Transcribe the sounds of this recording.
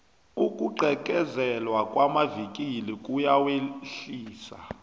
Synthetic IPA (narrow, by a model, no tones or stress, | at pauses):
ukʼuǃʱɛk̬ʼɛzɛlwakʼwamavik̬ʼilikʼujaweɬiːsa̰